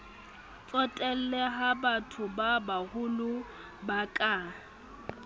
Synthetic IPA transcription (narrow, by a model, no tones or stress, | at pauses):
t͡sʼɔtʼɛl̩leɦabatʰʊbabaɣʊlʊ | bakʼa